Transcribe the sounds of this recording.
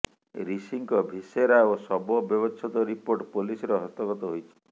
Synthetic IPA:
ɾisiŋkɔbʱiseɾaosɔbɔbjɔbɔt͡ʃʰɔt̪ɔɾipoɾʈpolisɔɾɔɦɔst̪ɔɡɔt̪ɔɦojt͡ʃʰi̥

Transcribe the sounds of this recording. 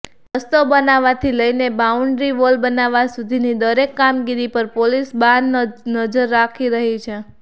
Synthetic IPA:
əst̪obənaʋat̪ʰiləinebauɳɖɾiʋolbənaʋasud̪ʱinid̪əɾekːamɡiɾipəɾpolisbãnd̪nəd͡ʒəɾːakʰiɾəɦit͡ʃʰe

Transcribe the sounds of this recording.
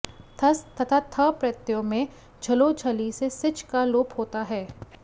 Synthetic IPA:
t̪ʰɐst̪ʰɐt̪ʰat̪ʰəpɾɐt̪jõmẽ | d͡ʒʱɐlod͡ʒʱɐlisesɪt͡ʃkaloːphoːt̪aɦɛː

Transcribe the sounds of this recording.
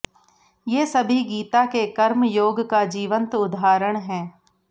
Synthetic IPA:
jeːsɐbʱiɡiːt̪akekɐɾmjoːɡkad͡ʒiːʋə̃nt̪ʊd̪ʱaːɾəɽ̃ɦɛ̃ː

